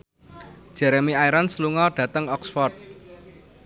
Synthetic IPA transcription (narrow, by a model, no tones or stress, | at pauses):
d̥ʒ̥ɛɾemiaiɾansluŋɔɖ̥ä̤t̪əŋɔksfɔrt̪̚